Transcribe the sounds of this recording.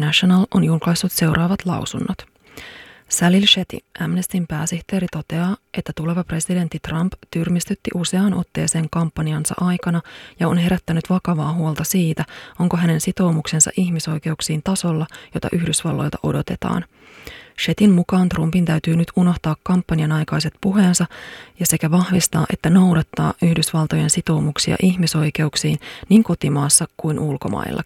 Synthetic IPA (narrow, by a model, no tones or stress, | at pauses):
næʃonɑlʔo̞njulklɑjsːut̪se̞wrʔɑːʋɑt̪lɑ̰wsunːot̪ | sælilʃet̪ḭʔæmnest̪impæːsiht̪e̞ːɾit̪o̞t̪e̞ɑːʔe̞t̪ːæt̪ule̞ʋɑpre̞side̞nt̪ːit̪rɑmpt̪yrmist̪yt̪ːḭʔuse̞ɑːnʔo̞̰t̪ːe̞̰ːse̞ːŋkɑmpːɑniɑnsɑ̰ʔɑjkɑnɑjɑo̞nɦe̞ɾæt̪ːænyt̪ʋɑkɑʋɑːɦuolˠt̪ɑsiːt̪æo̞ŋkoɦæne̞nsit̪o̞wmukse̞nsɑ̰ʔiçmiso̞jk̟e̞uksiːnt̪ɑso̞lːɑjo̞t̪ɑ̰ʔyhdysʋɑlːo̞̰lt̪ɑʔo̞̰do̞t̪e̞t̪ɑ̰ːn | ʃe̞t̪immukɑːnt̪rumpint̪æyt̪yːnyt̪uno̞ht̪ɑːkːɑmpːɑniɑnɑjkɑjse̞t̪̚puɦe̞ːnsɑjɑse̞kæʋɑhʋist̪ɑ̰ːʔe̞̰t̪ːæno̞wdɑt̪ːɑ̰ːʔyhdysʋɑlt̪o̞je̞nsit̪o̞umuksiɑ̰ʔiçmiso̞jke̞uksiːnniːŋko̞t̪imɑːsːɑkujnʔulko̞̰mɑ̰ḭlːɑ̰